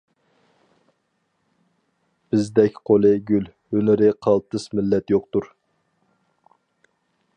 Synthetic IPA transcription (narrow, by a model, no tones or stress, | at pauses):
b̥ɪzd̪ɛkʲqʰolˠɨɡʲyl | ønɪɾɪqʰɑlˠt̪ɨsmɪlːɛt̪joq̚t̪uɾ